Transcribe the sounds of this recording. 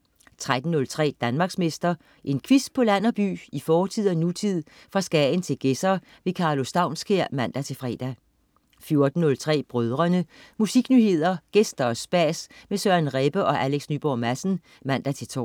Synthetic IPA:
t͡sʰʁad̥n̩ːɔ̽lt͡sʰʁɛ̰ːd̥ænmɑ̈ːɡ̥sme̝sd̥ɐ | ʔe̝nkʰʋis̚pʰɒ̽læn̰ɒb̥y̰ːifɒːt͡sʰið̞̰ˠɒnut͡sʰið̞̰ˠ | fʁɑ̈sɡ̥ɛn̩t͡sʰe̝lɡ̥esɐ | ʋe̝kʰɑ̈ːlo̝sd̥ɑ̈ʊ̰nskʰeɐ̰mæn̰d̥æt͡sʰe̝fʁɛ̰ːd̥æ | fjo̝ɐd̥n̩ːɔ̽lt͡sʰʁɛ̰ːb̥ʁœðˠʁɐnəmusiɡ̥nyːhe̝ð̞̰ˠɐɡ̥esd̥ɐsb̥æːsmesøɐnʁeb̥əʔɒ̽ʔæleɡ̥snyːb̥ɒːmæsn̩ | mæn̰d̥æt͡sʰe̝t͡sʰɒ̰ː

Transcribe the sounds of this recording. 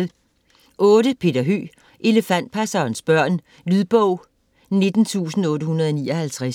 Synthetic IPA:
ʔɔ̽ːɾəpʰe̝ːd̥ɐɦø̰ː | ʔe̝ləfæn̰d̥̚pʰæsɐːnsb̥ɶɐ̰n | lyðˠb̥ɔʊ̰ | ne̝d̥n̩t͡sʰṵːsn̩ɔ̽ːɾəhunɐð̞̩ˠɒniːɒhælt͡sʰʁas

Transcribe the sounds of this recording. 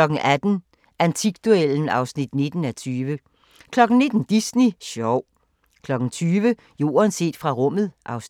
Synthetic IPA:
ɒ̽ɡ̥̩ʔæd̥n̩ | ʔænt͡sʰiɡ̥d̥ueln̩ɑ̈ʊsnid̥ne̝d̥n̩æt͡sʰyːʋə | kʰlɒ̽ɡ̥n̩ne̝d̥n̩d̥isniɕɒʊ̰ | kʰlɒ̽ɡ̥ŋ̩t͡sʰyːʋə | jo̝̰ːɐnse̝̰ːd̥fʁɑ̈ʁɔ̽m̰ð̞̩ˠʔɑ̈ʊs

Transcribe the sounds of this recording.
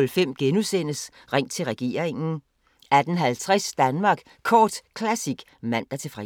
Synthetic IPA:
lfem̰ɡ̥enusen̰əs | ʁaŋ̰t͡sʰe̝lʁɛɡ̥e̝̰ːɐ̰ʁeŋn̩ | æd̥ən̩ɦælt͡sʰʁɛsd̥ænmɑ̈ːɡ̥ | kʰɒːd̥kʰlæsiɡ̥ | mæn̰d̥æt͡sʰe̝fʁɛ

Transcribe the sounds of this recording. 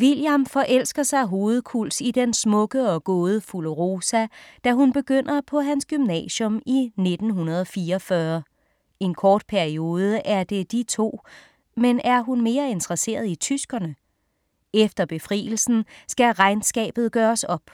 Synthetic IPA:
ʋiljæmfɒ̽ʔel̰sɡ̥ɐsɑ̈ɪɦo̝ːð̞̩ˠkʰul̰sid̥ensmɔ̽ɡ̥əɒ̽ɡ̥oːð̞ˠəfuləʁo̝ːsæd̥æɦunb̥e̝ɡ̥øn̰ɐpʰɒ̽ɦænsɡ̥ymnɛ̰ːɕɔ̽mine̝d̥n̩ɦunɐð̞ˠɒ̽fiːɐːfɶɐ | e̝nkʰɒːd̥̚pʰæɐio̝ːð̞ˠəʔæɐd̥e̝d̥it͡sʰo̝̰ː | menæɐɦunme̝ːɐe̝nt͡sʰʁɐse̝̰ːɐð̞̩ˠit͡sʰysɡ̥ɐnə | efd̥ɐb̥e̝fʁḭːl̩sn̩sɡ̥æʁɑ̈ɪnsɡ̥ɛ̰ːb̥ð̩ˠɡ̥ɶːɐsɒ̽b̥

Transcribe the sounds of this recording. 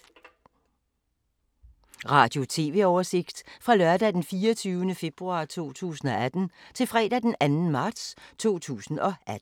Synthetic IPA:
ʁɑ̈ːd̥jo̝t͡sʰe̝̰ːʋe̝̰ɒʊɐse̝ɡ̥d̥fʁɑ̈lɶɐd̥æd̥enfiːɐt͡sʰyːʊənəfe̝b̥ʁuɑ̰̈ːt͡sʰo̝̰ːt͡sʰṵːsn̩ɒ̽æd̥n̩t͡sʰe̝lfʁɛ̰ːd̥æd̥enænn̩mɑ̈ːd̥st͡sʰo̝̰ːt͡sʰṵːsn̩ɒ̽æd̥̩

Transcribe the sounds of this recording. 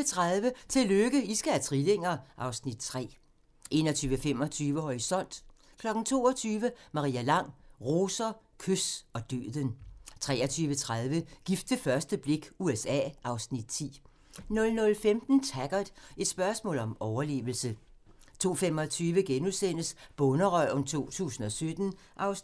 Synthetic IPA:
t͡sʰʁaðˠʋət͡sʰe̝løɡ̥əisɡ̥ææt͡sʰʁile̝ŋ̰ɐʔɑ̈ʊsnid̥̚t͡sʰʁɛ̰ː | ʔe̝̰ːnɒt͡sʰyːʋəfem̰ɒ̽t͡sʰyːʋəɦɒʁisɒ̽n̰d̥ | kʰlɒ̽ɡ̥n̩t͡sʰo̝̰ːɒt͡sʰyːʋəmɑ̈ʁḭːælɑ̈ŋ̰ʁo̝ːsɐ | kʰøsɒ̽d̥ø̰ːðˠənt͡sʰʁɛ̰ːɐt͡sʰyːʋət͡sʰʁað̞ˠʋəɡ̥ifd̥ʋefɶɐsd̥əb̥le̝ɡ̥uesɛ̰ːʔɑ̈ʊsnid̥̚t͡sʰḭː | nɔ̽lnɔ̽lfemd̥n̩t͡sʰæɡ̥ɐð̥ˠe̝d̥sb̥ɶɐsmɔ̰̽ːlɒ̽mɒʊɐle̝̰ːʋl̩sə | t͡sʰo̝̰ːfem̰ɒ̽t͡sʰyːʋəɡ̥enuðˠsen̰əsb̥ɔnəʁœɔnt͡sʰo̝̰ːt͡sʰṵːsn̩ɒ̽sød̥n̩ | ʔɑ̈ʊs

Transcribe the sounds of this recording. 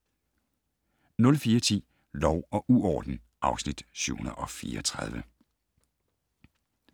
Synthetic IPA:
nɔ̽lfiːɐt͡sʰḭː | lɒʊɒ̽ʔuɒːd̥n̩ | ʔɑ̈ʊsnid̥sʉʊ̰hunɐ̰ʔɒ̽fiːɐɒt͡sʰʁað̞ˠʋə

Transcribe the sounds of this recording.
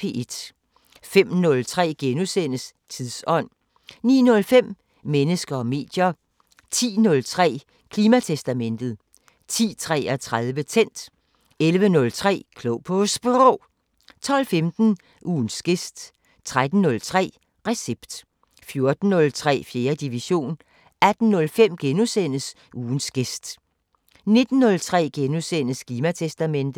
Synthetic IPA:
ed̥ | fem̰nɔ̽lt͡sʰʁɛ̰ːɡ̥enusen̰əs | t͡sʰiðˠsɒ̽n̰ | nḭːnɔ̽lfem̰ | menəsɡ̥ɐɒ̽me̝̰ːd̥jɐ | t͡sʰḭːnɔ̽lt͡sʰʁɛ̰ː | kʰliːmæt͡sʰesd̥æmen̰d̥ð̩ˠ | t͡sʰḭːt͡sʰʁɛ̰ːæt͡sʰʁaðˠʋət͡sʰen̰d̥ | elʋənɔ̽lt͡sʰʁɛ̰ːkʰlopʰosb̥ʁo | t͡sʰɒ̽l̰femd̥n̩ | ʔuːnsɡ̥e̝sd̥ | t͡sʰʁad̥n̩ːɔ̽lt͡sʰʁɛ̰ː | ʁɛseb̥d̥ | fjo̝ɐd̥n̩ːɔ̽lt͡sʰʁɛ̰ːfje̝ːɐd̥iʋiɕo̝̰ːn | æd̥n̩ːɔ̽lfem̰ɡ̥enusen̰əs | uːnsɡ̥e̝sd̥ | ne̝d̥n̩ːɔ̽lt͡sʰʁɛ̰ːɡ̥enusenəskʰliːmæt͡sʰesd̥æmen̰d̥ð̩ˠ

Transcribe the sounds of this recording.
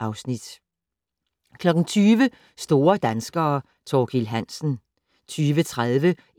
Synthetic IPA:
ɑ̈ʊsnid̥ | kʰlɒ̽ɡ̥n̩t͡sʰyːʋə | sd̥o̝ːɐd̥ænsɡ̥ɐː | t͡sʰɒːkʰilɦænsn̩ | t͡sʰyːʋət͡sʰʁaðˠʋə

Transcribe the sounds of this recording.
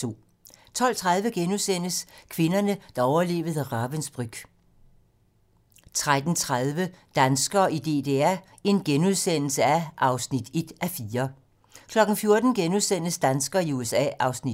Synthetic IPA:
t͡sʰo̝̰ː | t͡sʰɒ̽l̰t͡sʰʁað̞ˠʋəɡ̥enuðˠsen̰əskʰʋe̝nɐnəd̥ɑ̈ɒʊɐle̝̰ːʋəð̞̩ˠəʁɑɐʋensb̥ʁyɡ̥ | t͡sʰʁad̥n̩t͡sʰʁaðˠʋəd̥ænsɡ̥ɐʔid̥e̝̰ːd̥e̝æ | e̝nɡ̥enuð̞ˠsen̰l̩səæʔɑ̈ʊsnid̥e̝d̥æfiːɐ | kʰlɒ̽ɡ̥n̩fjo̝ɐd̥n̩ɡ̥enuðˠsen̰əsd̥ænsɡ̥ɐiuesɛ̰ːʔɑ̈ʊsni̥

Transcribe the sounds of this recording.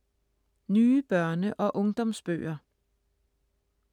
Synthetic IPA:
nyːb̥ɶɐnəʔɒ̽ʔɔ̽ŋd̥ɒ̽msb̥ø̰ːɐ

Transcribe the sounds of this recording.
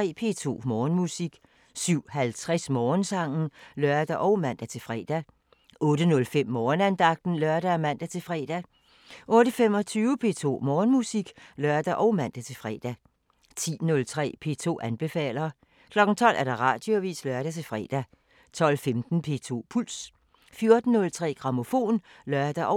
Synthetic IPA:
ɛ̰ːpʰe̝ːt͡sʰo̝̰ːmɒːnmusiɡ̥ | syʊ̰hælt͡sʰʁɛsmɒːnsɑ̈ŋ̰n̩lɶɐd̥æʔɒ̽ʊmæn̰d̥æt͡sʰe̝fʁɛ̰ːd̥æ | ʔɔ̽ːɾ̥ənɔ̽lfem̰ːɒːnænd̥ɑ̈ɡ̥̚d̥n̩lɶɐɾ̥æmæn̰d̥æt͡sʰe̝fʁɛ̰ːd̥æ | ʔɔ̽ːɾəfem̰ɒ̽t͡sʰyːʊəpʰe̝̰ːt͡sʰo̝̰ːmɒːnmusiɡ̥lɶɐd̥æʔɒʊmæn̰d̥æt͡sʰe̝fʁɛ̰ːd̥æ | t͡sʰḭːnɔ̽lt͡sʰʁɛ̰ːpʰe̝̰ːt͡sʰo̝̰ːʔænb̥e̝fɛ̰ːlɐː | kʰlɒ̽ɡ̥n̩t͡sʰɒ̽l̰ʔæɐd̥ɑ̈ʁɑ̈d̥joʋḭːslɶɐɾ̥æt͡sʰe̝lfʁɛ̰ːd̥æ | t͡sʰɒ̽l̰femd̥n̩pʰe̝̰ːt͡sʰo̝̰ːpʰul̰s | fjo̝ɐd̥n̩ːɔ̽lt͡sʰʁɛ̰ːɡ̥ʁɑ̈mo̝fo̝̰ːnlɶɐd̥æʔɒ

